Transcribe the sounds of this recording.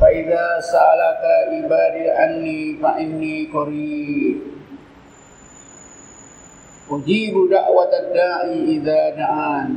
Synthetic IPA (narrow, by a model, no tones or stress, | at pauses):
faʔiðaːsaʔalakabibaːdiʔanːifaʔɪnːikoɾi | ʔud͡ʒiːbudaʔwat̪adaːʔiʔiðaːdaʔan